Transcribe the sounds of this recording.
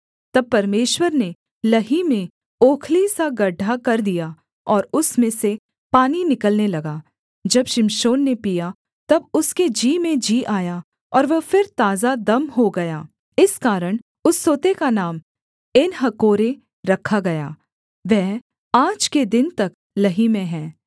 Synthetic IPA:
t̪ɐb̚pɐɾmeːʃwəɾne | lɐɦimẽ | oːkʰlisaɡɐɖʱːakɐɾd̪ija | ɔːɾʊsmẽse | paːninɪkəlnelɐɡaː | d͡ʒɐbʃɪmʃoːnːepija | t̪ɐbʊsked͡ʒiːmẽd͡ʒiːʔaːja | ɔːɾʋɐfɪɾt̪aːzad̪ɐmɦoɡɐjaː | ɪskaːɾəɽ̃ | ʊsːoːt̪ekanaːm | ɪnɦɐkoːɾẽ | ɾɐkʰaɡɐja̰ː | ʋɛɦ | aːd͡ʒked̪ɪnt̪ɐk̚ | lɐɦimẽɦɛ̃ː

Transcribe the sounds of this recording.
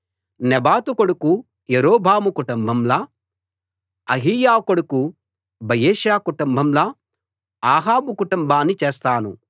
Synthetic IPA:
nɛbaːt̪ukoɽuku | jeɾoːbʱaːmukuʈumbʱɐmlaː | ɐɦijaːkoɽuku | bɐjeːʃjaːkuʈumbʱɐmlaː | aːɦaːbukuʈumbʱaːnːit͡ʃeːst̪aːnṵ

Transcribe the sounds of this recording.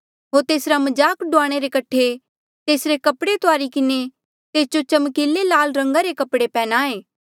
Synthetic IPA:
ɦoːɾt̪eːsɾamɐd͡ʒaːkɖʊaːɽ̃eɾekɐʈʰe | t̪eːsɾekɐpɽet̪oaːɾikɪne | t̪eːsd͡ʒot͡ʃɐmkeːlːelaːlɾɐ̃ŋɡaɾekɐpɽepɛːnaːeː

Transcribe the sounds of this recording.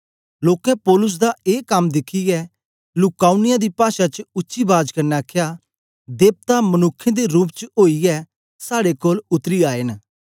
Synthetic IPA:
loːkɛ̃pɔːlʊs̬d̪aeːkəmd̪ɪkʰːiɛː | lʊkaːʊnɪjãd̪iːpaːʃat͡ʃəʊtːʃibaːd͡ʒkəɾnɛaːkʰjaː | d̪eːp̚t̪amənʊkʰːẽd̪eɾuːpt͡ʃoːiɛ | saːɽekoːlʊt̪ɾiaːen

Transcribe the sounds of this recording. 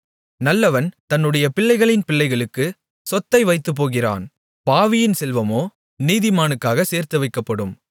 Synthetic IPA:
nɐlːɐʋɐnt̪ɐnːɯɽɐjɐpɪɭːɐɪɣɐɭɪnpɪɭːɐɪɣɐɭɯkːɯ | sɔt̪ːɐɪʋɐɪt̪ːɯp̬ːoːɣɪra̰ːn | paːʋɪjɪnsɛlʋɐmoː | niːðɪmaːnɯkːaːɣɐseːɾt̪ɯʋɐɪkːɐpːɐɽɯm

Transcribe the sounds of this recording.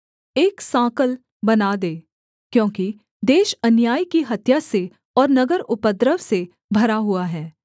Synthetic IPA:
eːksãːkəl | bɐnad̪eː | kjõːki | d̪eːʃɐnjaːikiɦɐt̪jase | ɔːɾnɐɡəɾʊpəd̪ɾəʋse | bʱɐɾaɦuaɦɛː

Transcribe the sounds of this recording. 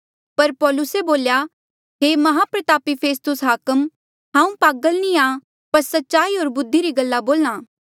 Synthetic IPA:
pɐɾpɔːlʊseboːlja | ɦeːmɐɦapɾət̪aːpipʰeːst̪ʊsɦaːkəm | ɦãːũpaːɡəlnĩãː | pɐɾsɐtːʃaːiɦoːɾbʊd̪ʱːiɾiɡɐlːaboːlñãː

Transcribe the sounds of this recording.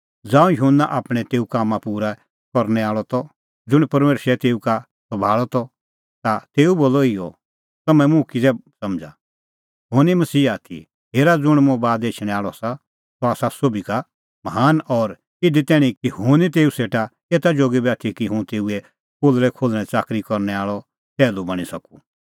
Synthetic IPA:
d͡zãːũjʊɦʊnːaʔaːpɽ̃ɛ̃t̪eːukaːmãpuːɾa | kɔɾñɛaːɭɔt̪ɔ | d͡zʊɽ̃ipɐɾmeːʃɾɛt̪eːuka | sɔbʱaːɭɔt̪ɔ | t̪at̪eːuboːlɔɪjɔ̰ | t̪ɐmɛ̃mʊ̃kisɛsɐmd͡ʒʱa̰ | ɦoːnimɐsiːaːt̪ʰḭ | ɦeːɾad͡zʊɽ̃mʊ̃baːd̪eːt͡ʃʰɽ̃ɛ̃aːɭɔasa | sɔaːsasobika | mɐɦaːnɔːɾ | ɪd̪it̪ɛːɽ̃ĩkiɦʊnit̪̬eːuseːʈa | eːt̪ad͡ʒoːɡibaːt̪ʰikiɦʊ̃t̪eːuɛ | koːlɾɛkʰoːlɽ̃ɛ̃t͡ʃaːkɾikɔɾnɛaːɭɔ | t̪ɛːlubɐɽ̃isɐku

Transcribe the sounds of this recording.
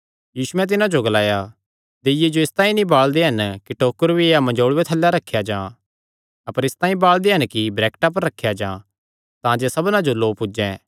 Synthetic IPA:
jiːsʊɛ̃t̪̬ɪnãd͡ʒoɡɐlaːja | d̪eɪjed͡ʒoɪst̪ãːĩnĩbaːɭd̪eɦɐnkiʈoːkəɾbieːamɐ̃d͡ʒoːɭwet̪ʰɐlːjaɾɐkʰːjad͡ʒãː | ɐpəɾɪst̪ãːĩbaːɭd̪eɦɐnkibɾɛːkʈapɐɾːɐkʰːjad͡ʒã̰ː | t̪ãːd͡ʒesɐbnãd͡ʒoloːpʊd͡ʒɛ̃ː

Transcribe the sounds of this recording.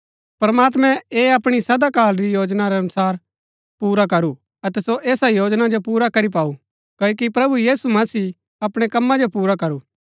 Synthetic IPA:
pɾɐmaːt̪mɛ̃eːɐpɽ̃isɐd̪akaːlɾijoːd͡ʒnaɾɛɐnʊsaːɾ | puːɾakɐɾu | ɐt̪ɛsoʔeːsajoːd͡ʒnad͡ʒopuːɾakɐɾip̬aːu | kɐːokipɾɐbujiːsumɐsiː | ɐpɽ̃ekɐmːãd͡ʒopuːɾakɐɾuː

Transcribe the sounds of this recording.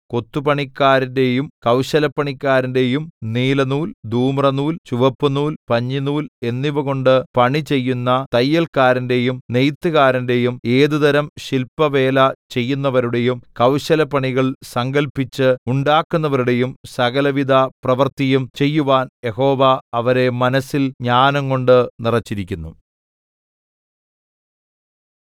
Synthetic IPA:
ko̞t̪ːupɐɳikːaːɾinde̞jumkɐwɕɐlɐpːɐɳikːaːɾinde̞jumniːlɐnuːld̪ʱuːmrɐnuːlt͡ɕuʋɐpːunuːlpɐɲːinuːle̞nːiʋɨɣo̞ɳɖɨpɐɳit͡ɕe̞jːunːɐt̪ɐjːɐlkaːɾinde̞jumnejt̪ːɨɣaːɾinde̞jume̞ːðud̪ɐɾɐmɕilpːɐʋe̞ːlɐt͡ɕe̞jːunːɐʋɐɾuɽe̞jumkɐwɕɐlɐpɐɳiɣɐɭsɐŋɡɐlpːit͡ɕːɨuɳɖaːkːunːɐʋɐɾuɽe̞jumsɐɣɐlɐʋid̪ʱɐprɐʋɐrt̪ijɐmt͡ɕe̞jːuʋaːnje̞ɦo̞ːʋɐɐʋɐɾe̞mɐnɐsːilɲaːnɐŋko̞ɳɖɨnirɐt͡ɕːiɾikʲːunːu

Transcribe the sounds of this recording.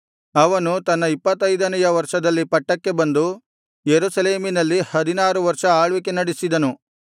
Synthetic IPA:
ɐʋɐnut̪ɐnːɐipːɐt̪ːɐjd̪ɐnɐjɐʋɐɾʂɐd̪ɐlːipɐʈːɐkːe̞bɐnd̪u | jeɾusɐleːminɐlːihɐd̪inaːɾuʋɐɾʂɐaːɭʋik̬enɐɽisid̪ɐnu

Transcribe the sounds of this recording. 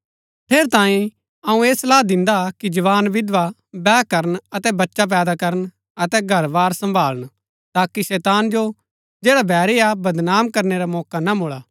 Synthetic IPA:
pʰeːɾt̪ãːĩ | ɐũeːslaːd̪ɪ̃nd̪akid͡ʒɐʋaːnʋɪd̪ʋa | bɛːkɐɾənɐt̪ɛbɐtːʃap̬ɛːd̪akɐɾən | ɐt̪ɛɡʱɐɾʋaːɾsɐ̃mbʱaːləñ | t̪aːkiʃɛːt̪aːnd͡ʒo | d͡ʒeːɽabʱɛːɾeabɐd̪naːmkɐɾneɾamɔːkanamʊɭaː

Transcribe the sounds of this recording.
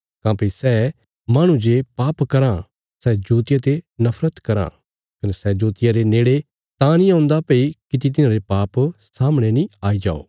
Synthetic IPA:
kãːpisɛː | maːɽ̃ũd͡ʒepaːpkɐɾã | sɛːd͡ʒoːt̪ɪjat̪enɐpʰɾət̪kɐɾã̰ː | kɐnɛsɛd͡ʒoːt̪ɪjaɾeneːɽe | t̪ãːnĩãːnd̪apɐikɪt̪̬it̪̬ɪnãɾepaːpsaːmɽ̃enĩaːid͡ʒa̰ːo̰ː

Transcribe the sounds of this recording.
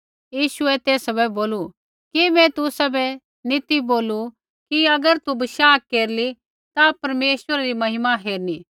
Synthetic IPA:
jiːʃʊɛt̪eːsɐbɛboːlu | kimɛ̃t̪ʊsɐbɛ | nɪt̪iboːlu | kiɐɡəɾt̪ubɐʃaːkːeːɾli | t̪apɐɾmeːʃwəɾaɾimɐɦɪmaɦeːɾniː

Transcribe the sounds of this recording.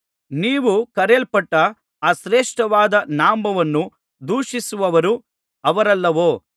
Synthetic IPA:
niːʋukɐɾelpɐʈːɐ | aːʃɾeːʂʈɐʋaːd̪ɐnaːmbɐʋɐnːu | d̪uːʂisuʋɐʋɐɾu | ɐʋɐɾɐlːɐʋoː

